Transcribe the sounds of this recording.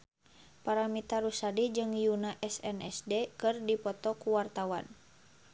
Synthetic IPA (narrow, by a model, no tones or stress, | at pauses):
paɾamit̪aɾusadid͡ʒɨŋjunaʔɛsɛnɛsdekɨrdipɔt̪ɔkuwart̪awan